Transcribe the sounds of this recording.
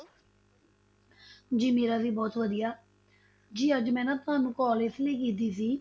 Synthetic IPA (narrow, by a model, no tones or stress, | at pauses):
d͡ʒiːmeːɾaːʋiːbɔːt̪ʋəd̪ijaː | d͡ʒiːəd͡ʒmɛ̃ːnãːt̪ʊɦãːnũːkɔːlɪsleːk̬iːt̪̬iːsiː